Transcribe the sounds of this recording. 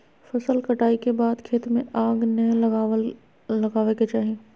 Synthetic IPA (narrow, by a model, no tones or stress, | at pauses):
fɐsəlkɐʈaːikebaːd̪kʰeːt̪mẽʔaːɡnəɦl | lɐɡaːʋeket͡ʃaːɦẽː